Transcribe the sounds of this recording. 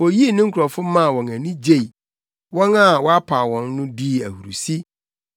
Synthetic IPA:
wɔ˨ji˦˨nɪ̃˦ŋ̩˦kʰɾɔ˨fʊ˦mã˦˨wɔ̃˨næ˨nĩ˦d͡ʑe˦˨i˨ | wɔ̃˦na˦˨wɔ˦a˦pʰa˨wɔ̃˨nːʊ̃˦di˦˨æ˨hu˨ɾṵ˨si˦

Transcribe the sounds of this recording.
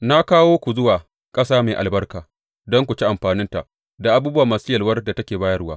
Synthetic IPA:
na˦kaː˦woː˦kʷu˨zʊ˦waː˨ | kʼɐ˦saː˦meː˨ʔa˨lbɐ˦rkaː˨ | dɔ˦ŋkʷu˨t͡ʃi˦ʔa˨mɸaː˨nɪ˦nta˨ʔ | da˨ʔa˦buː˦bʊ˦waː˨ma˨sɪ˦jɐ˨lwɐ˦rda˨tɐ˦kʲeː˨baː˦jɐ˦rwaː˦

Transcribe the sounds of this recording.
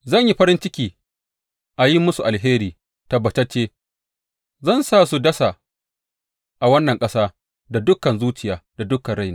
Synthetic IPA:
zɐ˦˨ɲji˦ɸɐ˦ɾɪ˦nt͡ʃɪ˦kʲiː˨ | ʔa˨ji˦mʊ˦su˨ʔa˨lɦeː˦ɾiː˨ | tɐ˨bːɐ˨t͡ʃɐ˦t͡ʃːeː˦ | zɐ˦˨nsaː˦˨su˨dɐ˦sa˨ | ʔa˨wɐ˦nːɐ˨ŋkʼɐ˦saː˦ | da˨dʊ˦kɐ˨nzuː˦t͡ʃɪ˨jaː˨d̥a˨dʊ˦kɐ˨nɽa˦jnaː˨

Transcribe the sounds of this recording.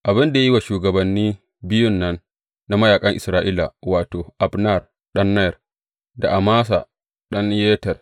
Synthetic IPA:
ʔa˨bɪ˦nda˨ja˦wa˨ʃuː˨ɡɐ˨bɐ˨nːiː˦ | bɪ˦jʊ˦nːɐ˦nː | a˦mɐ˦jaː˨kʼɐ˦ŋʔɪ˨sɾaː˨˦ʔiː˦la̰˨waː˨toː˨ʔa˨bna˦˨r | ɗɐ˦nːɐ˦jɐ˨r | da˨ʔa˨maː˦s̬a̰˨ | ɗɐ˦njeː˦tɐ˨r

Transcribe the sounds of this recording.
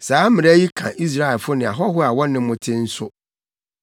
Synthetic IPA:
saː˨˦mɪ̃˨ɛ˦ji˦kʰã˨ʔi˦s̬ɾa˦ɛ˨lfʊ˦nɪ̃˨a˨ɦɔ˦ɦʊ˦a˨wɔ˦nɪ̃˦mʊ̃˦tʰɪ̃˦n̩˦sʊ˦

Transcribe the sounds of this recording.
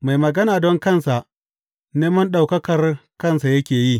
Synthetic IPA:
ma˨jmɐ˨ɡɐ˦naː˨dɔ˦ŋkɐ˦˨nsa˨ʔ | neː˦mɐ˦nɗa˨wkɐ˦kɐ˨rkɐ˦nsa˨jɐ˦kʲeː˨ji˦˨

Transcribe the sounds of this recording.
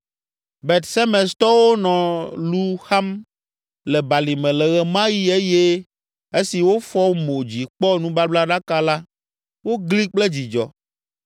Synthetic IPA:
bɛ˨t̪sɛ˦mɛ̃˨st̪ɔ˦wo˦nɔ̃˨lu˦xa˦m | lɛ˨ba˨li˨mɛ̃˨lɛ˨ɣɛ˨mã˦ji˦e˦je˦ | e˦si˨wo˦fɔ˦mo˨d͡ʑi˨k͡pɔ˦nũ˦ba˦bla˦ɖa˦ka˦la˦ | wo˦ɡli˦k͡ple˦d͡ʑi˨d͡ʒɔ̰˨

